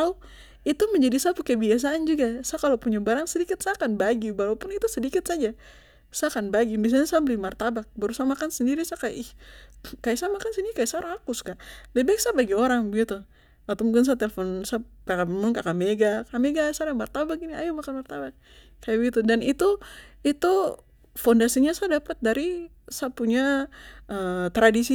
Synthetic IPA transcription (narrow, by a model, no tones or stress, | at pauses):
au | it̪uməɲd͡ʒadisapukəbias̬aand͡ʒuɡasakalopuɲabaɾaŋsədikɪt̪̚sakanbaɡibalapʊnit̪usədikɪt̪̚sad͡ʒa | sakanbaɡimis̬alɲasabəlimart̪abak̚baɾusamakansəndiɾisakaja̰ʔihkajasamakansəndiɾikajasaoɾaŋakʊskaʔlɛbɛk̚sabaɡioɾaŋbəɡit̪u | at̪ɔmuk̬ɪns̬at̪ɛlfɔnsakakammʊnkakameɡakameɡasaɾamart̪abak̚ɡiniajamakanmart̪abak̚ | kːajabəɡit̪udanit̪uit̪u | fɔndasiɲasadapat̪̚daɾi | sapuɲaət̪ɾadisi